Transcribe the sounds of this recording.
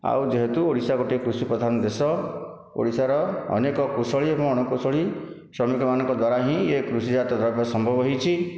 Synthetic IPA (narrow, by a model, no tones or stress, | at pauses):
a̰wd͡ʒeɦet̪uoɽisaɡoʈikɾusipɾɔd̪ʱanɔd̪esɔ | o̰ɽisaɾɔ̰ːnekɔkusɔɭiebɔ̃ŋɔɽ̃ɔkusɔɭi | sɾɔmikɔmanɔ̃ŋkɔd̪waɾaɦĩekɾusid͡ʒat̪ɔd̪ʱɔɾpɔsɔmbʱɔbɔɦɔjt͡ʃʰi